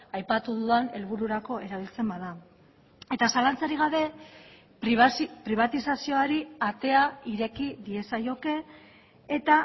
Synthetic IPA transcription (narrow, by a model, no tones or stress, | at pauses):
ajpat̪uðuðane̞lβuɾuɾako̞e̞ɾaβ̞ilt͡se̞mbaða | e̞t̪asalant͡saɾiɣaβe̞ | pɾiβ̞at̪isasio̞aɾiat̪e̞aiɾe̞kiðie̞sajo̞ke̞ː | t̪a